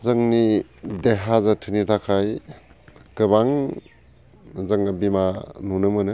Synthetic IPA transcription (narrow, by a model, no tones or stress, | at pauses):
zɯŋnideɦazatʰɯnitʰakʰaj | kɯbaŋ | zɐŋɡabimanunɯmɯnɯ